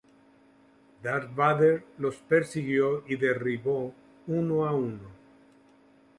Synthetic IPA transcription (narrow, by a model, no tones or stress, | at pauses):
d̪aɾbaðeɾlospeɾsiɣjoiðeriβo | unoauno